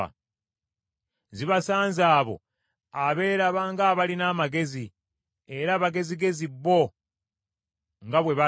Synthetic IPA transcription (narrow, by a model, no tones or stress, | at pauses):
a̰ | ziβasaːnzaːβo̞̰ | aβe̞ːɾaβaŋɡaːβalinaːmaɡe̞zi | e̞ɾaːβaɡe̞ziɡe̞ziβːo̞ | ŋɡaβwe̞βa